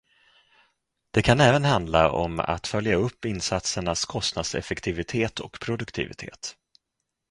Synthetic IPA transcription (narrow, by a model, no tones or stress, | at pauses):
d̪̥ɛkʰanɛːvənhand̪laʔɔ̰ma̰t̪fœljaɵpːɪnːsat̪səɳaskʰɔst̪nad̪sɛ̰fɛkt̪ʰɪvɪt̪ʰeːt̪ʰɔkpʰɾʊd̪ɵkt̪ʰɪ̰vɪ̰t̪ʰḛːt̪